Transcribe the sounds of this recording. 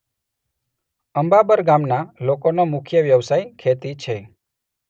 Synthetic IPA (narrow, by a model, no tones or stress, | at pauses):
əmbabəɾɡamnalokonomʊkʰjəʋjəʋsajkʰet̪it͡ʃʰe